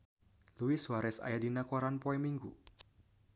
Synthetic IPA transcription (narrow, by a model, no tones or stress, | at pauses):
luisuaɾɛsa̰jadinakuaɾanpɔɛmiŋɡṵ